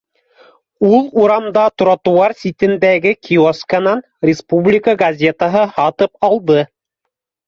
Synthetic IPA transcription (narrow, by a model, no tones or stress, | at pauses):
ulˠuɾɑmd̪ɑt̪ŏɾɑt̪ŭwɑɾsʲit̪ɘ̆nd̪æɡɘkʲʰioskənɑn | rʲɪspublʲɪkəɡɐzʲe̞t̪əɦɤhɑt̪ɤpɑlˠd̪ɤ